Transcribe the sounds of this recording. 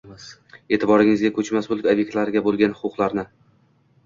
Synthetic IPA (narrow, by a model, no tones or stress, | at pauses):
e̞ːt̪ʰɪbɒɾɪŋɪzɡʲakʲʰɵt͡ʃmasbolɪkʲobjekt̪laɾɪɡʲabolˠɡʲanʊqʰʊqlˠaɾnɪ